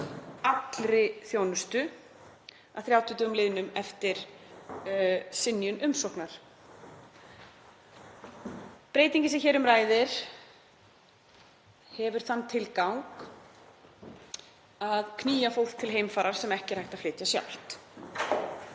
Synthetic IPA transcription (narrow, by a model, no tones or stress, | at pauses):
at̪lɾɪθjownʏst̪ʏ | aθɾjawt̪ʰʏt̪œɣʏmlɪːðɪnʏmɛft̪ɪɾ̥ | sɪnjʏnʔʏmsɔhknaɾ̥ | pɾeːjt̪iɲcɪsɛçɛːɾʏmraːjðɪɾ̥ | hɛvʏɾ̥θanːt̪ʰɪlkawŋk | aðkʰniːjafow̥t̪ʰːɪlɦeːjmfaːɾaɾ̥sɛmɛhcɪɾ̥hajht̪aflɪːt̪jasja̰wl̥t̪